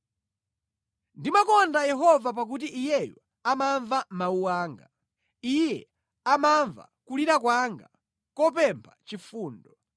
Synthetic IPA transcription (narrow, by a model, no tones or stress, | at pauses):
ndimakɔndajɛɦɔvap̬ak̬ut̬iʔijɛjɔ | amaɱvamauwaːŋɡa | ijɛ | amaɱva̰kuliɾak̬waŋɡa̰ | kɔp̬ɛmpʰat͡ʃifuːndɔ